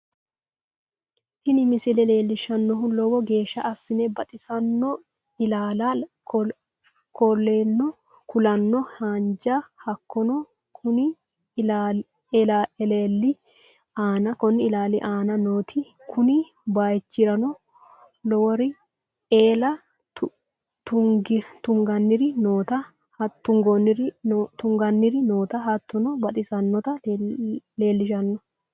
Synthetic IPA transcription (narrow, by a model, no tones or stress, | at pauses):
t̪ɪnɪmɪsɪlɛle̞ːlːɪʃɐnːɔɦʊlɔwɔɡe̞ːʃːɐʔɐsːɪnɛbɐt̪ʼɪsɐnːɔ | ɪlaːlɐ | kɔlːeːnːɔ | kʊlɐnːɔhand͡ʒɐhɐkːɔnɔ | kʰʊnɪ | a | laɛleːlːɪ | aːnɐkɔnːɪɪlaːlɪ̰ʔaːnɐnoːt̪ʰɪ | kʰʊnɪ | baːjt͡ʃːɪɾɐnɔ | lɔwɔɾɪ | eːlɐ | t̪ʊɡt̪ʊŋɡɐnːɪɾɪnoːt̪ɐ | ht̪ːʊŋɡɔnɪɾt̪ʊŋɡɐnːɪɾɪnoːt̪ɐhɐt̪ːɔnɔbɐt̪ʼɪsɐnːɔt̪ɐ | le̞ːlːɪʃɐnːɔ